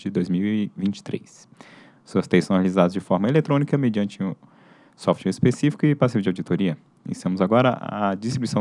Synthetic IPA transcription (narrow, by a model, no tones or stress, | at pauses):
d͡ʒɪd̪ojzmiwɪvĩnt͡ʃɪ̥t̪ɾḛs | suɐst̪ejsɐ̃w̃helizad̪ɐzd͡ʒɪfɔɾmɐelet̪ɾõnikɐmed͡ʒiɐ̃nt͡ʃɪʊ | sɔft͡ʃɛɾispesifi̥kʊɪpasivʊd͡ʒawd͡ʒit̪oɾiɐ | ḭsɐ̃mʊzaɡɔɾɐʔɐ̰d͡ʒist̪ɾibuisɐ̃